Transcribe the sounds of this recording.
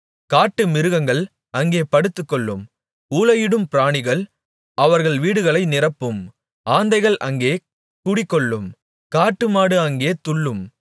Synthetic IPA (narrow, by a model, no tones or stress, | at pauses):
kaːʈːɯmɪɾɯɣɐŋɡɐɭ | ɐŋɡeːpɐɽɯt̪ːɯkːɔɭːɯm | uːlɐjɪɽɯmpɪɾaːɳɪɣɐɭ | ɐʋɐɾɣɐɭʋiːɽɯɣɐɭɐɪnɪrɐpːɯm | ʔaːnd̪ɐɪɣɐɭʔɐ̰ŋɡeː | kʊɽɪkːɔɭːɯm | kaːʈːɯmaːɽɯɐŋɡeːt̪ʊɭːɯm